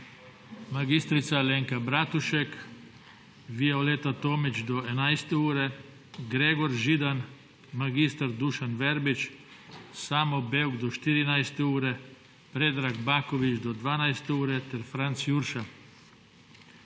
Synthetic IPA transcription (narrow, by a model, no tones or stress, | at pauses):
maɡist̪ɾit̪saleːŋkabɾat̪uʃɛk | ʋiɛoleːt̪at̪oːmit͡ʃd̪oenajst̪ɛuːɾɛ | ɡɾeːɡɔɾʒid̪an | maɡist̪aɾd̪uʃanʋɛɾbit͡ʃ | saːmobewɡd̪ɔʃt̪iɾinajst̪ɛuːɾɛ | pɾed̪ɾaɡbaːkoʋit͡ʃd̪ɔd̪ʋaːnajst̪ɛuːɾɛt̪ɛɾfɾant̪sjuɾʃa